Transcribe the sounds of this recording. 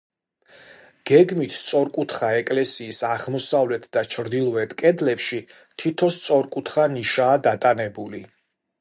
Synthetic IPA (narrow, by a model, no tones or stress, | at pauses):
ɡ̥ɛɡmit̪ʰst̪sʼɔɾkʼut̪ʰχaɛkʼlɛsiːsaʁmɔsavlɛt̪ʰd̪at͡ʃʰɾd̪ilˠɔɛt̪ʰkʼɛd̪lɛpʃi | t̪ʰit̪ʰɔst̪sʼɔɾkʼut̪ʰχaniʃaːd̪at̪ʼanɛbuli